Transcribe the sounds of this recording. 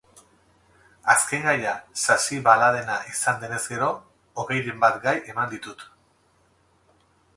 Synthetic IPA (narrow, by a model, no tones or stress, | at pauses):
aske̞ŋɡajasasiβalaðe̞naʔisand̪e̞ne̞zɡe̞ɾo̞ | oɣe̞jɾembat̪ɡajʔe̞mand̪it̪ut̪